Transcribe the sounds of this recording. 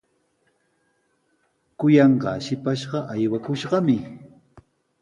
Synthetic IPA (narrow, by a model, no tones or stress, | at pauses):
kʊjɑɴɢɑ̰ʃɪpaʃɢɑʔajwakʊʃɢɑmɪ